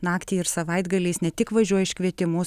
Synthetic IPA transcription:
nɑːkt̪ʲiːɪɾsɐʋɐɪd̪ɡɐlʲɛɪsnʲɛt̪ʲɪkʋɐʒʲuɔjɛɪʃʲkʋʲiɛt̪ʲɪmʊ

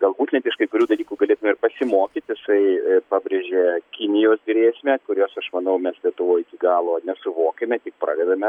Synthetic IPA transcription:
ɡɐlˠbuːt̪nʲɛt̪ɪʃkɐɪkʊɾʲuːd̪ɐlʲiːkuːɡɐlʲeːt̪ʊmʲɛmɪɾpɐsʲɪmoːkʲit̪ʲjɪsɐɪpɑːbʲɾʲeːʒʲeːkʲɪnʲɪjoːsd̪ʲrʲeːsʲmʲɛkʊɾʲoːsɐʃmɐnɐʊmʲɛslʲiɛt̪ʊʋoːɪkʲiɡɑːlˠoːnʲɛsʊʋoːkʲemʲɛt̪ʲɪk̚pɾɑ̰ːd̪ʲɛd̪ɐmʲɛ

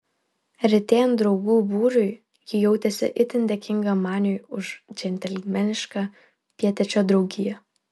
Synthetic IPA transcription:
ɾʲɪt̪ʲeːjɛnd̪ɾɒʊɡuːbuːɾʊɪ | jʲɪjɛʊt̪ʲɛsʲɪ̰ʔɪt̪ʲɪnʲd̪ʲɛkʲɪŋɡɐmɑːnʲoːɪʊʃd͡ʒʲɛnʲt̪ʲɛlʲmʲɛnʲɪʃkɑ | pʲiɛt̪ʲɛt͡ʃʲoːd̪ɾɒʊɡʲɪjɛ

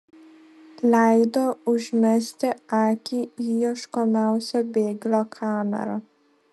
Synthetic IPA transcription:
lajd̪ɔuʒmɛst̪ɛaːkiijɔʃkɔmawsɛbeːɡlɔkʰaːmɛ̰ɾa

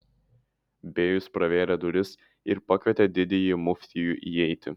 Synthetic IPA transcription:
bʲeːjʊspɾɐʋʲeːlʲɛd̪ʊɾʲɪs | ɪɾpɐkʲʋʲɛt̪ʲɛd̪ʲɪd̪ʲɪjɪmʊfʲt̪ʲɪjuʔiɛɪt̪ʲɪ

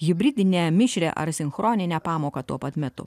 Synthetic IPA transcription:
ɣʲɪbʲɾʲɪd̪ʲɪnʲemʲɪʃʲɾʲḛʔɐ̰ɾsʲɪnxɾoːnʲɪnʲɛːpɑːmoːkɐt̪uɔpɐt̪mʲɛt̪ʊ̰

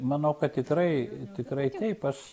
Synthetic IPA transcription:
mɐnɐʊkɐt̪t̪ʲɪkrɐɪt̪ʲɪkɾɐɪt̪ʲɛɪpɐʃ

